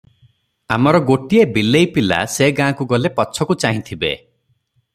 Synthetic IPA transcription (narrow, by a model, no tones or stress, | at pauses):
a̰mɔɾɔɡoʈiebilejpila̰seɡãːkuɡɔlepɔːt͡ʃʰɔkut͡ʃaɦĩt̪ʰibḛ